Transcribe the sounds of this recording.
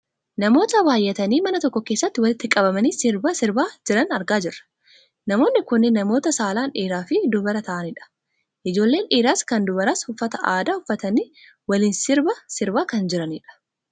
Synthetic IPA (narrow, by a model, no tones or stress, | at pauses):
nɐmo̞ːt̪ɐbaːjːɛt̪ɐniːmɐnɐt̪ɔkːɔke̞ːsːɐt̪ːɪwɐlɪt̪ːɪkʼɐbɐmɐniːsɪɾbɐsɪɾbaːd͡ʒɪɾɐnɐɾɡaːd͡ʒɪrːɐ̥ | nɐmo̞ːnːɪkʊnːɪnːɐmo̞ːt̪ɐsaːlaːnᶑiːɾaːfɪd̪ʊbɐɾɐt̪ɐʔɐnɪᶑɐ̥ | ʔɪd͡ʒo̞ːlːeːnʔiːɾaːskɐnd̪ʊbɐɾaːshʊfːɐt̪ɐʔaːd̪aːhʊfːɐt̪ɐni | wɐliːnsɪɾbɐsɪɾbaːkɐnd͡ʒɪɾɐniːᶑɐ̥